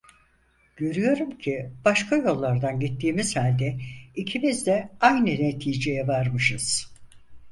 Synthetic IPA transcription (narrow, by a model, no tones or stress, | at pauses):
ɟ̥ø̞ɾyjo̞ɾumcʰib̥aʃkʰajo̞lˠːaɾd̪anɟit̪ʰːiːmiz̥halʲd̪ɛicʰimizd̪ɛajnɯnet̪ʰiːd͡ʒe̞jɛvaɾmɯʃɯz̥